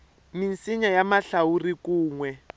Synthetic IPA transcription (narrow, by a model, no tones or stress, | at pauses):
minsiɲajamaɬaurikuːŋwɛ